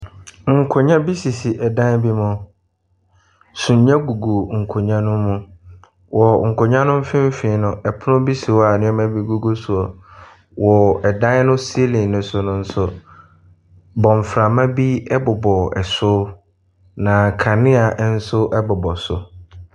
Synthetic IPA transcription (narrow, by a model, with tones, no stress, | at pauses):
ŋ̩˨kʰʊ˨ɲã˦bi˦si˨si˨ʔɛ˨dã˦n˦bi˦mʊ̃˦ | sũ˨ɲ˨˦ɲã˦ɡu˨ɡo˨ŋ̩˨kʰo˨ɲã˦nʊ̃ː˦ʊ̃˦ | wɔ˨ŋ̩˨kʰʊ˨ɲã˦nʊ̃˦m̩˦fɪ̃˦m̩˦fɪ̃˨˦nʊ̃˨ɛ˨pʰʊ˦nʊ̃˦bi˦si˨wa˨nɪ̃˦ɛ˦mã˦bi˦ɡu˦ɡo˦su˨ɔ˨ | wɔ˨ɛ˨dã˦n˦nʊ̃˦si˦e˦lĩ˨nʊ̃˨sʊ˨nʊ̃˨n̩˦sʊ˨ | bɔ̃˨ɱ˨fɾa˨mã˦bi˦ɛ˦bʊ˨bɔ˨ɛ̰˨sʊ˦ | nã˨kʰa˨nɪ̃˦a˨ʔn̩˦sʊ˦ʔɛ˦bʊ˨bɔ˨sʊ̰˨